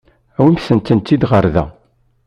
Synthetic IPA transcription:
æwimsənt̪ːənt̪ːid̪ʁəɾðæ̰

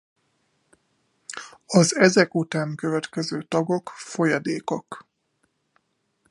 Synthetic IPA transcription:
ɒzɛzɛkut̪aːŋkøvɛt̪kɛzøːt̪ɒɡo̞kfo̞jɒd̪eːkok

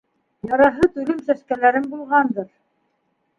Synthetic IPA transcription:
jɑɾɑɦɤt̪ʉlɘmsæʃkælæɾɘmbulˠʁɑnd̪ɤɾ

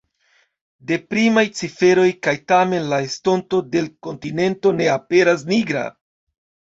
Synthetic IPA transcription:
de̞pɾimajt͡sife̞ɾo̞jkajtame̞nlae̞sto̞nto̞de̞lko̞ntine̞nto̞ne̞ape̞ɾas̬niɡɾa̰

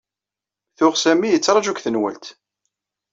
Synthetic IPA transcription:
θʊʁsæmijət͡sːɾˤɑʒukθənwæ̰lt̪

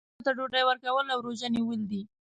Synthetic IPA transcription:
t̪aɖoɖajwəɾkawəlawɾoʒaniwəld̪i

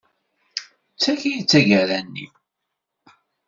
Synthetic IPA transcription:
t͡sːæçijit͡sːæʝæɾænːḭ

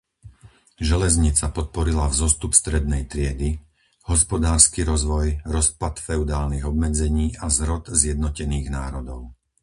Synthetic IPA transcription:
ʒɛlɛzɲit͡sapɔt̪̚pɔɾilavzɔst̪upst̪ɾɛd̪̚nɛjt̪ɾɪɛd̪i | hɔspɔd̪aːɾskiɾɔzʋɔjɾɔspat̪fɛud̪aːlniɣɔbmɛd͡zɛɲiːʔazɾɔt̪zjɛd̪nɔcɛniːɣnaːɾɔd̪ɔʊ

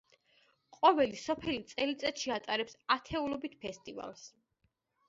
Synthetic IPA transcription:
qʼɔvɛlisɔpʰɛlit̪sʼɛlit̪sʼɛt̪ʃiat̪ʼaɾɛpsat̪ʰɛulɔbit̪̚ʰpʰɛst̪ʼiva̰lˠs

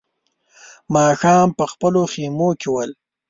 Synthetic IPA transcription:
mɑːxɑːmpəxpəloximokewəl

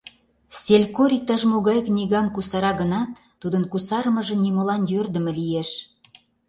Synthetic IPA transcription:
sʲelʲkoɾʲik̚t̪ɑʃmuɣɑjknʲiɣɑmkusɑɾɑɣənɑt̪ːud̪ənkusɑrmə̆ʒə̆nʲimolɑnjørd̪ə̆mĕlijeʃ

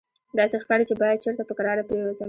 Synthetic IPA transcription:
d̪ɑsexkɑɾit͡ʃebɑjad̪̚t͡ʃeɾt̪apəkaɾɑɾapɾewazəm

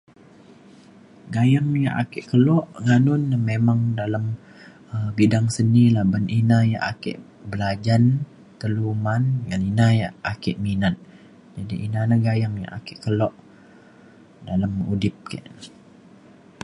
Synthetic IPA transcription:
ɡajaŋja̰ʔa̰kɪʔkəlɔʔŋanʊnamemaŋdalam | əbidaŋsənilabaninaja̰ʔakɪ̰ʔ | bəlad͡ʒan | t̪əlumanŋaninajaʔakɪʔminat̪̚ | d͡ʒadiʔinanaɡajaŋja̰ʔa̰kɪʔkəlɔʔ | dalamṵdɪp̚ka̰ʔ

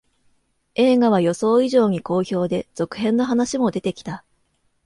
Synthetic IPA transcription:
e̞ːɡaβ̞ajo̞so̞ːiʑo̞ːɲ̟iko̞ːço̞ːd̪e̞z̥o̞kɯ̟̥ɦẽ̞nːo̞ɦanaɕimo̞d̪e̞t̪e̞kʲi̥t̪a

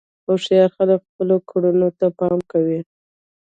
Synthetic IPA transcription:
awʂijɑɾxaləkxpəlokʰaɽunot̪apɑmkawi

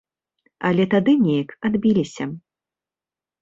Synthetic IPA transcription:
ɐlʲɛt̪ad̪ɨnʲejɐkad̪bʲilʲisʲɐ

